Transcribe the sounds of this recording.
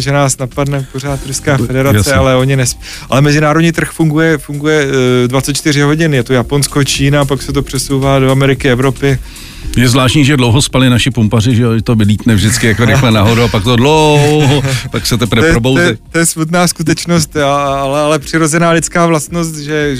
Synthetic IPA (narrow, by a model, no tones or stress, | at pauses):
ʒɛnaːsnapadnɛpo̞r̝aːt̪ɾuskaːfɛdɛɾat͡ssɛalɛo̞ɲɪnɛs | alɛmɛzɪnaːɾodɲiːt̪r̩xfuŋɡujɛfuŋɡujɛdvatt͡sɛt̪t͡ʃt̪ɪr̝ɪɦo̞ɟɪnjɛt̪ojapo̞nskot͡ʃiːnap̬aksɛt̪̬o̞pr̥ɛsowvaːdo̞amɛɾɪkɪɛvɾo̞pɪ | jɛzvlaːʃtɲiːʒɛdlowɦospalɪnaʃɪpumparɪʒɛoʒɛt̪ovɪliːt̪nɛvʒdɪt͡skɪjakoɾɪxlɛnaɦoduapak̚t̪odloɦopaksɛt̪ɛpɾvɛɛjɛɾobowzjɛt̪ojɛsmut̪naːskut̪̬ɛt͡ʃno̞st̪aalɛalɛpr̥ɪɾo̞zɛnaːlɪt͡skaːvlast̪no̞st̪ʒɛ